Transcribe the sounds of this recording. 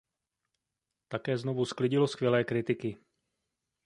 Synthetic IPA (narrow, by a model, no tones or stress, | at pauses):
t̪akɛːznovusklɪɟɪlo̞skvjɛlɛːkɾɪt̪ɪkɪ